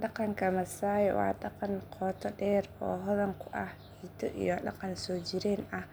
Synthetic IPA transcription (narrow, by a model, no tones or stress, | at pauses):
ɖɑqɑŋkʰɐmɐsaːjwɑ̰ːɗɑqɑnqʰɔːt̪ʰɔɖɛːrɔːɦɔðɐŋkʰʊʔɐhhiːt̪ʰɔʔḭjɔɗɑ̰qɑnsɔːt͡ʃɪɾɛːnɐh